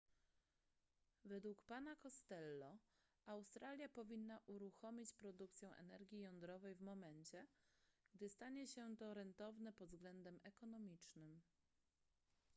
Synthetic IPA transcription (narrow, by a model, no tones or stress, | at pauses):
vɛd̪wukpan̪akɔst̪ɛlːɔ | awst̪ɾalʲjapɔvʲinːaʔuɾuxɔmʲit͡ɕpɾɔd̪uk̚t̪sʲjɛw̃ʔɛ̰nɛɾɡʲijɔnd̪ɾɔvɛjvmɔmɛɲt͡ɕɛɡ̥̚d̪ɘst̪aɲɛɕɛt̪ɔɾɛnt̪ɔvnɛpɔd̪zɡlɛnd̪ɛmɛkɔnɔmʲit͡ʂnɘm